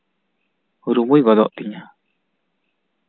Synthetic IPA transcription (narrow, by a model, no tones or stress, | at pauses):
huɾumuiɡɔd̪ɔ̰ʔt̪iɲa